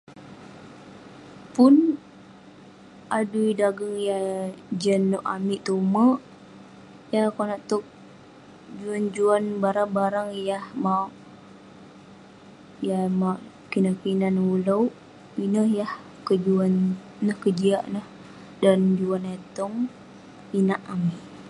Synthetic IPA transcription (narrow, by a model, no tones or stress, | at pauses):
pun | aduidaɡəŋjahd͡ʒənɔʔa̰miʔt̪uməʔ | jakonaʔt̪ɔk̚ | d͡ʒuand͡ʒuanbaɾaŋbaɾaŋjahmaoʔ | jamaʔ | kinəkinanulawʔ | inəhjah | kəd͡ʒuanː | əhkəd͡ʒiaʔnəh | dand͡ʒuanet̪ɔŋ | inaʔamiʔ